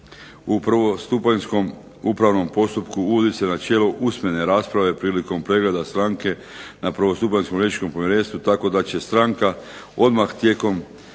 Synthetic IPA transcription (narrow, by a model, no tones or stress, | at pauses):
upr̩ʋo̞st̪upaɲsko̞m | upɾaʋno̞mpo̞st̪upkuuʋod̪ise̞nat͡ʃe̞loʔusmje̞ne̞ɾaːspɾaʋe̞pɾiːliko̞mpɾe̞ɡle̞d̪ast̪ɾaŋke̞ | napɾ̩ʋo̞st̪upaɲskomɾjeit͡ʃko̞mpomjiɾe̞ːnst̪ʋut̪ako̞d̪at͡ɕe̞st̪ɾaŋka | o̞d̪maxt̪je̞ko̞m